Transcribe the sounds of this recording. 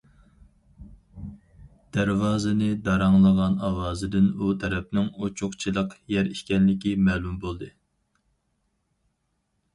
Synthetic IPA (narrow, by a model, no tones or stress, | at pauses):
d̪̥æɾwɑːzɨnɨd̪ɑɾɑŋlˠəʁɑnɑwɑːzɨd̪ɪnut̪ʰɛɾɛp̚nɪŋot͡ʃʰʊqt͡ʃʰilˠəqjɛɾiʃkʲɛnlɪkʲimɛːlˠumbolˠd̪ɨ